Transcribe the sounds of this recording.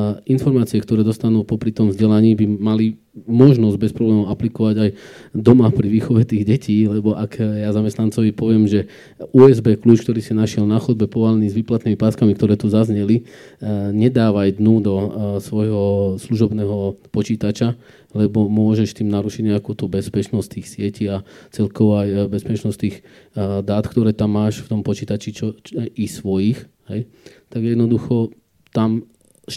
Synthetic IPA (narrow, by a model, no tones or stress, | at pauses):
infɔɾmaːt͡siɛkt̪ɔɾɛːd̪ɔst̪anuːpɔpɾit̪ɔmvzɟɛlaɲiːbimali | mɔʒnɔzɟbɛspɾɔblɛːmɔʊaplikɔʋaɟajd̪ɔmapɾiʋiːxɔʋɛt̪iːɣɟɛcʰiːlɛbɔʔakjazamɛst̪nant͡sɔʋipɔʋɪɛmʒɛ | ʔuːɛzbɛːkluːt͡ʃk̚t̪ɔɾiːsinaʃɪɛlnaxɔd̪̚bɛpɔʋalniːzʋiːplat̪nimipaːskamik̚t̪ɔɾɛːt̪uzazɲɛli | ɲɛd̪aːʋajd̪nud̪ɔsʋɔjɦɔsluʒɔbnɛːɦɔpɔt͡ʃiːt̪at͡ʃa | lɛbɔmʊɔʒɛʃt̪iːmnaɾuʃiɟɲɛakuːt̪ubɛspɛt͡ʃnɔst̚t̪iːxsɪɛciat͡sɛlkɔʋɔajbɛspɛt͡ʃnɔst̪iːx | d̪aːt̪kt̪ɔɾɛːt̪amːaːʃft̪ɔmpɔt͡ʃiːt̪at͡ʃit͡ʃɔisʋɔjixɦɛj | t̪aɡjɛd̪nɔd̪uxɔ | t̪am